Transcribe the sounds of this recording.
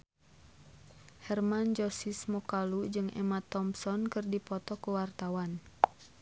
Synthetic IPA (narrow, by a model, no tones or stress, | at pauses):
hɛrmand͡ʒɔsismɔkalud͡ʒɨŋɛ̰mat̪ɔmsɔnkɨrdipɔt̪ɔkuwart̪awan